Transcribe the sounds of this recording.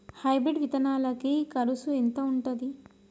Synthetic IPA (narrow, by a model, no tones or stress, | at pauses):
hɐjbɾiɖʋit̪ɐnaːlɐkikɐɾusuent̪ɐuɳʈod̪i